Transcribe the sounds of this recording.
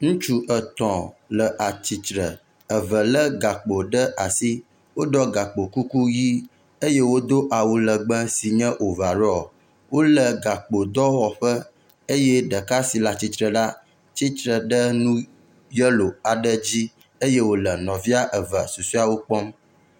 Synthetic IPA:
ŋũ˦t͡ʃu˦ʔə˨t̪ɔ̃˨lə˨ʔa˨t͡ɕi˨t͡ʃɾə˨ | ə˨və˨lə˦ɡa˨k͡po˨ɖə˦ʔa˨si˦ | wo˦ɖɔ˦ɡa˨k͡po˨ku˦ku˦ji˦ | e˦je˦wo˦d̪o˦ʔa˨wu˨lə˨ɡ͡bə˦si˨ɲə̃˦ʔo˨va˨ɾɔ˦ɔ˨ | wo˦lə˨ɡa˨k͡po˨d̪ɔ˦wɔ˨ɸə˦ | e˦jɛ˦ɖə˨ka˦si˨la˨t͡ɕi˨t̪ɾə˨ɖa˦ | t͡ɕi˦t͡ʃɾə˨ɖə˦nũ˦ | jə˦lo˨a˨ɖə˦d͡ʑi˦ | e˦je˦wo˦lə˨nɔ̃˨vi˦a˦ʔə˨və˨su˨su˦a˨wo˦k͡pɔ˦m

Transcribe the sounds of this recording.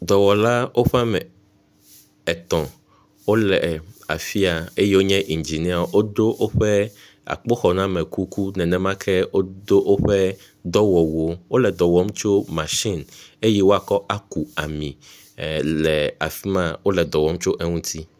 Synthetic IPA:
d̪ɔ˨wɔ˨la˦wʔo˦ɸa˦mɛ̃˨ | ɛ˨t̪ɔ̃˨ | wo˦lɛ˨a˨fi˦a˨e˦jɛ˦wo˦ɲɛ̃˦ʔi˨nd͡ʒi˨nĩ˦a˨˦wo˦d̪o˦ʔo˦ɸɛ˦ | a̰˨k͡po˦xɔ˨nã˦mɛ̃˨ku˦ku˦nɛ̃˨nɛ̃˨mã˦kʰɛ˦wo˦d̪o˦ʔo˦ɸɛ˦ | d̪ɔ˦wɔ˨wo˦wo˦lɛ˨d̪ɔ˨wɔ˦m˦t͡ʃo˦mã˨ʃi˦˨ne˦jɛ˦wo˦a˨kɔ˦ʔa˦ku˨a˨mĩ˨ | lɛ˨a˨fi˦mã˦wo˦lɛ˨d̪ɔ˨wɔ˦m˦t͡ʃo˦ʔɛ˦ŋũ˦t̪ʰi˦

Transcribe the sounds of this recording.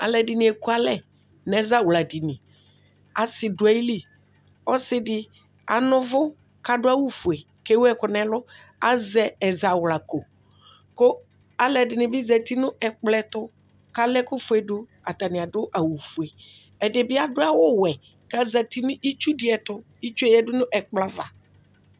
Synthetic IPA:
a̰˨lɛ˨dɪ˨nɪ̃˨e˨ku˦a˦lɛ˦ | nɛ˨˦za˦˨wla˨di˨nɪ˨ | a˨sɪ˨dʊ˨˦a˦i˦li˦ | ɔ˦sɪ˦dɪ˨˦ | a˨nʊ̃˦vʊ˦ | ka˨dʊ˦a˦wu˦fu˨e˨ | ke˦wɛ˦kʊ˨nɛ˦lʊ˦ | a˦zɛ˦ɛ˨za˨wla˨ko˨ | kʊ˦ | a˨lɛ˨dɪ˨nɪ˨bɪ˦zɛ˨t̪i˦nʊ̃˦ɛ˨k͡plɛ˦t̪ʊ˦ | ka˦lɛ˦kʊ˦fu˨˦e˨dʊ˦ | a˨t̪a˨nɪ˨a˨dʊ˦ʔa˨wu˨fu˨e˨ | ɛ˨dɪ˨bɪ˦a˦dʊ˦a˦wʊ˦wɛ˨ | ka˦za˨t̪i˦nʊ˦ʔi˦t͡ʃu˦dɪ˨ɛ˨t̪ʊ˦ | i˦t͡ʃu˦ɛ˦˨jɛ˦dʊ˦nʊ̃˦ʔɛ˨k͡pla˦va̰˨

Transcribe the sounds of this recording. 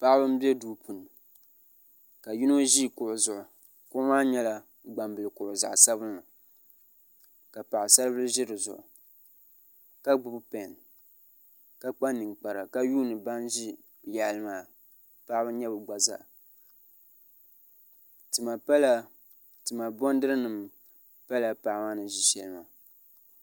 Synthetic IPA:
pa˦ʔbɨ˦m˦bɛ˦duː˦pʰu˨n˨ | ka˨ju˦no˦ʒi˦kʊ˨ʔʊ˨zʊ˨ʔʊ˨ | kʊ˦ʊ˦maː˦ɲɛ˦la˦ | ɡ͡ba˨mbɨ˨lɨ˨kʊ˨ʔʊ˨za̰˨ʔsa˦βɨ˦nːa˨ | ka˨pa˨ʔɪ˨sa˦lbɨ˦lʒɪ˦ɾɨ˨zʊ̰˨ʔʊ̰˨ | ka˦ɡ͡bʊ˨bpɛ˨n | ka˦k͡pa˦nːɨ˨ŋk͡pa˨ɾa˨ka˦juː˦nɨ˨ba˦nʒi˦ | ja˨lmaː˨ | pa˦ʔbɨ˦ɲɛ˦bɨ˨ɡ͡ba˨za̰˨ʔ | tɨ˨ma˨pa˦la˦ | tɨ˨ma˨bɔ˦ndɨ˦ɾɨ˦nɨ˨m | pa˦la˨pa˨ʔma˦nɨ˨ʒi˨ʃɛ˨lɨ˦ma˨

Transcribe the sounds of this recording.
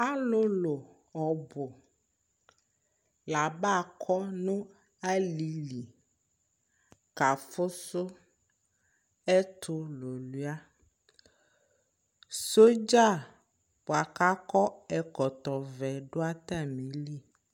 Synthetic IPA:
a˦lʊ˦lo˨ | ɔ˨bʊ˨ | la˨ba˦˨kʰɔ˦nʊ̃˦ | a˦li˨li˨ | ka˨fʊ˦sʊ˦ | ɛ˦t̪ʰʊ˦lo˨lu˦a˦ | so˦d͡ʒa˦˨ | bo˨a˨ka˦kɔ˦ɛ˨kɔ˨t̪ɔ˨vɛ˨ɖo˦a˦t̪a˦˨mĩ˨˦li˦

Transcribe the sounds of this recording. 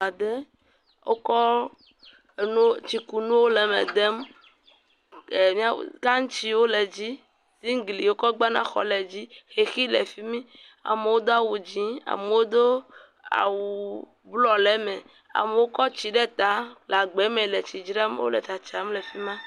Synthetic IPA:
a˨d̪e˦ | wʔo̰˦kɔ˦˨ | nũ˦t͡ʃi˦ku˨nũ˦wo˦lɛ˨mḛ˨d̪ɛ˦m | e˨mĩ˦a˦˨ka˦ŋ̩˦t͡ʃi˦wo˦lɛ˨d͡ʑi˦ | si˦ŋ˦ɡli˨wo˦kɔ˦ɡ͡ba˦nã̰˦xɔ̰˨lɛ˨d͡ʑi˦xe˨xi˦lḛ˨fi˦mĩ˦ | a̰˨me˨wo˦d̪o˦a˦wu˨d͡ʑĩ˨˦a̰˨me˨wo˦d̪o˦ | a̰˨wu˨ | blɔ˨lɛ˦mɛ̃˨ | a̰˨me˨wo˦kɔ˦t͡ɕi˨ɖɛ˦t̪a˦la˨ɡ͡bɛ˨˦mẽ˨le˨t͡ʃi˨d͡ʒɾa˦mḛ˦wo̰˦lɛ̰˨t̪a˨t͡ʃa˨˦m˦lɛ˨fi˦mã˦

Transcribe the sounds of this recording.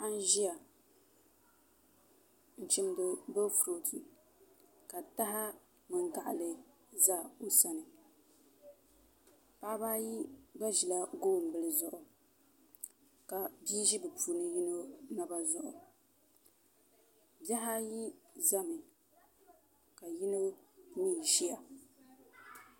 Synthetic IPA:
a˦n˦ʒi˦a˨ | n̩˨t͡ʃɪ˦m˦dɨ˨bo˦fɾo˨tʰi˨ | ka˨ta˦ɦa˦ | mɨ˨ŋɡa˨ʔa̰˨lɨ˨ | za˦o˦sa˦nɨ˨ | pa˦ʔba˦ji˦ba˦ʒi˨la˦ɡoː˦˨m̩˨bɨ˨lɨ˨zʊ˨ʔʊ˨ | ka˨biː˦ʒi˦bɨ˨pʰuː˨nɨ˦ji˦no˦na˦ba˦zʊ˨ʔʊ̰˨ | ba˦ɦa˦ji˦za˦mɨ˨ | ka˨ji˦no˦miː˦˨ʒi˦a˨

